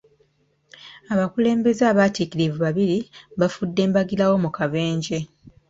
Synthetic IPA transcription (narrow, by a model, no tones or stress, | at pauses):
aβakule̞ːmbe̞zaːβaːtikiɾivuβaβiɾiβafudːe̞ːmbaɡilawo̞mukave̞ːɲɟe̞